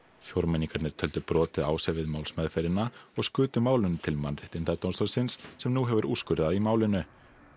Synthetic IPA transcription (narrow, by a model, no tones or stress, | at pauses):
fjoɾmɛniŋkaɾnɛɾ̥t̪ʰœlt̪ʏpɾɔːt̪ɪða̰ːwsɛɾvɪðmaːwlsmœðfejɾɪnːaɔɣskʏːt̪ʏmaːwlʏnt̪ʰɪlmanrɪht̪ɪnt̪at̪onst̪ɔlsɪnsːɛmnuɦɛvʏɾʔuːskʏɾðaðimaːwlɪnʏ